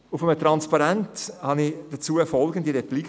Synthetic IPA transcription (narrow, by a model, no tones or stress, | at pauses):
ʊfəmətɾɑnspɑɾɛnthɑnid̥ət͡suːəɛfɔlɡən̩diɾɛplik